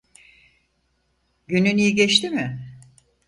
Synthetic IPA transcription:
ɟynynijiɟɛt͡ʃt̪imɪ

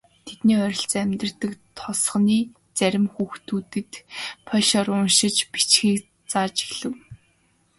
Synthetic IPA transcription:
t̪ʰet̪niːœɾʲɪ̆ɬt͡sæmʲt̪̆rt̪ɘ̆kt̪ʰɔsχniː | t͡sæɾʲɪ̆mxuːxt̪uːt̪ɘ̆t̪pʰœʃɔɾʊnʃɪ̆t͡ɕpi̥t͡ɕxiːk | t͡saːt͡ɕi̥xɮɘ̆w

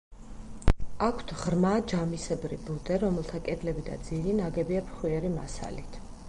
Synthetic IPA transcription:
akʰt̪ʰʁɾmad͡ʒamisɛbɾibud̪ɛɾɔmɛlˠt̪ʰakʼɛd̪lɛbid̪a̰d̪ziɾinaɡɛbiapʰχwiɛɾima̰sa̰lit̪ʰ

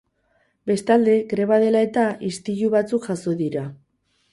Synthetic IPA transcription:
be̞st̪ald̪e̞ɡɾe̞βaðe̞lae̞t̪aʔist̪iʎuβat͡sukʝ̥aso̞ðiɾa

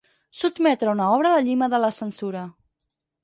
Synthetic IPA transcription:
sud̪mɛt̪ɾəunaɔβ̞ɾələʎiməðələsənsuɾə

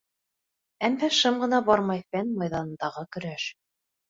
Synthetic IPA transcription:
æmːæʃɤmɢɤ̆nɑbɑɾmɑjfænmɑjðɑnɤ̆nd̪ɑʁɤkɵ̆ɾæʃ

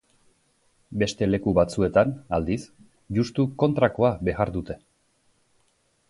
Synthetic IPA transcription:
be̞st̪e̞le̞kuβat͡sue̞t̪anald̪is | d͡ʒust̪uko̞nt̪ɾako̞abe̞ɣaɾd̪ut̪e̞

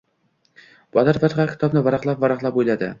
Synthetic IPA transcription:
b̥ɒd̪aɾfat̪ʁɑkʲʰɪ̥t̪ʰɒbnɪvaɾɑqlˠapvaɾɑqlˠapojlad̪ɪ̰

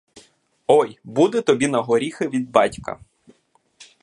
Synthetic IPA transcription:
ɔjbud̪ɛt̪ɔbʲinɐɦɔɾʲixɪʋʲid̪̚bɑtʲkɐ̰

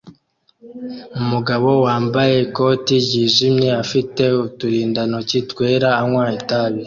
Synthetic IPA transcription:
umuɡaβo̞waːmbaje̞ko̞tiɟiːʒimɲeafite̞utuɾiːndano̞citwe̞ːɾaːŋwaːjitaβe

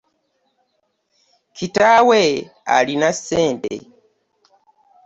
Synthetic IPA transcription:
kitaːwe | a̰linaseːndḛ

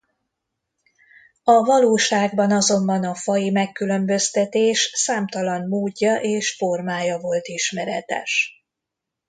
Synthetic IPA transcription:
ɒvɒloːʃaːɡbɒnɒzo̞mbɒnɒfɒjimɛkːylø̞mbø̞st̪ɛt̪eːʃsaːmt̪ɒlɒnmoːɟːɒʔeːʃfo̞rmaːjɒvo̞lt̪iʃmɛɾɛt̪ɛ̰ʃ

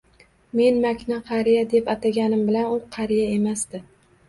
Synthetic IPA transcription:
me̞nmakʲʰnaqʰɑɾijad̪epat̪ʰaɡʲanɪmbɪlanʊqʰɑɾijae̞masd̪ɪ

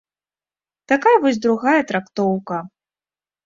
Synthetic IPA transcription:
t̪akajɐvɔsʲd̪ɾuɣajɐt̪ɾakt̪ɔwkɐ

